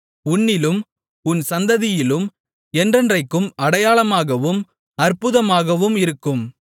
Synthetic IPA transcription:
ʊnːɪlɯm | ʊnsɐnd̪ɐðɪjɪlɯm | ɛndrɐndrɐɪkːɯmɐɽɐjaːlɐmaːɣɐʋɯm | ɐrpʊðɐmaːɣɐʋɯmɪɾɯkːɯm

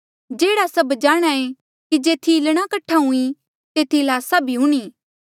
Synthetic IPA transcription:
d͡ʒeːɽasɐbd͡ʒaːɽ̃ae | kid͡ʒeːt̪ʰilɽ̃akɐʈʰaɦũi | t̪eːt̪ʰilaːsabʱiɦʊɽ̃iː

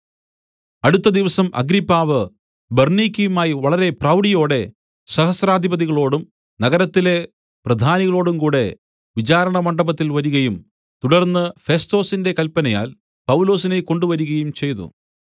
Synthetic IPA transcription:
ɐɽut̪ːɐd̪iʋɐsɐmʔɐ̰ɡɾipːaːʋɨ | bernikʲːijumaːjiʋɐɭɐɾe̞prɐwɽijo̞ːɽe̞ | sɐhɐsɾaːd̪ʱibɐðiɣɐɭo̞ːɽum | nɐɣɐɾɐt̪ːile̞ | prɐd̪ʱaːniɣɐɭo̞ːɽumkuːɽe̞ | ʋit͡ɕaːɾɐɳɐmɐɳɖɐbɐt̪ːilʋɐɾuɣɐjum | t̪uɽɐrnːɨfe̞sto̞ːsinde̞kɐlpɐnɐja̰ːl | pɐwulo̞ːsineko̞ɳɖuʋɐɾuɣɐjumt͡ɕe̞jnṵ

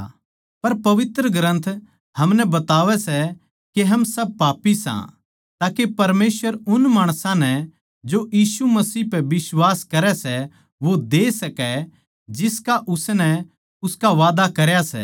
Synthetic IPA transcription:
pɐɾpɐʋɪt̪ɾəɡɾə̃nt̪ʰ | hɐmnɛbɐt̪aːʋɛsɛ | keɦɐmsɐb̚paːpisã̰ | t̪aːkepɐɾmeːsʋəɾʊnmaːɽ̃sãnɛ | d͡ʒojiːsumɐsiːpɛbɪswaːskɐɾɛsɛ | ʋod̪eːsɐkɛ | d͡ʒɪskaʔʊsnɛ | ʊskaʋaːd̪akɐɾjasɛ̰

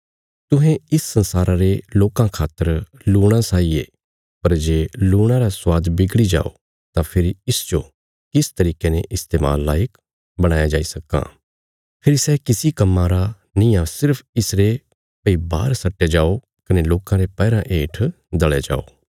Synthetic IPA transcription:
t̪ʊɦẽɪsːɐ̃nsaːɾaɾeloːkãkʰaːt̪ːəɾ | luːɽ̃asaːie | pɐɾd͡ʒeːluːɽ̃ãɾaswaːd̪bɪɡɽid͡ʒa̰ːo̰ | t̪ãpʰɪɾiɪsd͡ʒo | kɪst̪ɐɾiːkenẽʔɪst̪eːma̰ːlːa̰ːjək | bɐɽ̃aːjad͡ʒaːisɐkːã̰ː | pʰɪɾisɛkɪsikɐmːãɾa | nĩːãsɪɾpʰɪsɾe | pəiba̰ːɾsɐʈːed͡ʒaːo | kɐneloːkãɾepɛːɾãʔeːʈʰ | d̪ɐɭed͡ʒa̰ːo̰ː

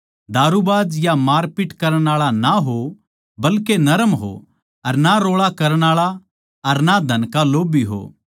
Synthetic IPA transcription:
d̪ʱaːɾubaːd͡ʒjamaːɾpɪʈkɐɾəɽ̃aːɭanaɦo | bɐlkenɐɾəmɦo̰ | ɐɾnaɾoːɭakɐɾəɽ̃aːɭa | ɐɾnad̪ʱɐnkaloːbiɦo̰ː

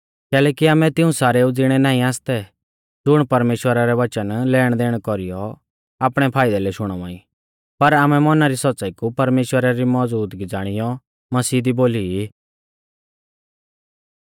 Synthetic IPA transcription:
kɛːlɛːkiaːmɛ̃t̪ɪũsaːɾɛʊd͡zɪɽ̃ɛnãːĩaːst̪ɛ | d͡zʊɽ̃pɐɾmeːʃwəɾaɾɛʋɐt͡ʃənlɛːɽ̃d̪eːɽ̃kɔɾijɔ | aːpɽ̃ɛpʰaːɪd̪alɛʃʊɽ̃ɔʋã̰ːḭ̃ | pɐɾaːmɛmɔnaɾisɔt͡saikupɐɾmeːʃwəɾaɾimɔd͡zuːt̪ɡid͡zaːɽ̃ijɔ | mɐsiːd̪iboːlii

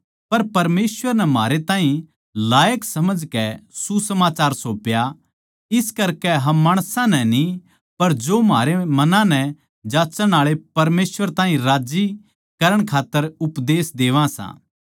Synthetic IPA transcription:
pɐɾpɐɾmeːsʋəɾnɛmaːɾet̪ãːɦĩ | laːjəksɐməd͡ʒkɛsusɐmaːt͡ʃaːɾsoːpja | ɪskɐɾkɛɦɐ̃mːaːɽ̃sãnɛni | pɐɾd͡ʒoːmaːɾemɐnãnɛ | d͡ʒaːt͡ʃəɽ̃aːɭepɐɾmeːsʋəɾt̪ãːɦĩɾaːd͡ʒi | kɐɾəɽ̃kʰaːt̪ːəɾʊpd̪eːsd̪eːʋãsã̰ː

